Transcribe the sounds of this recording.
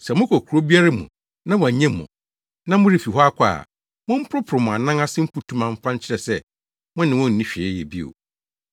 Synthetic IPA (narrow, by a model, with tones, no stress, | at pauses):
sɛ˨mʊ̃˦kʰo˨kʰu˨ɾo˦bi˦a˦ɾa˦mṵ̃˨ | nã˦w̃a˨ɲɛ̃˦mʊ̰̃˨ | nã˦mʊ̃˦ɾɪ˦˨fi˨ɦɔ˦a˦kʷʰa̰˦˨ | mʊ̃˦m̩˦pʰʊ˦ɾʊ˦pʰʊ˨ɾɪ˨mʊ̃˨a˨nã˦ŋa˦sɪ̃˦m̩˦pu˨tʰũ˦mã˨m̩˦fã˦n˦t͡ɕʰɪ˦ɾɛ˨sɛ˦ | mʊ̃˦nɪ̃˨wʊ̃˦n̩˨nĩ˦ɕᶣɛ˨ɛ˦jɛ˨bi˦o̰˨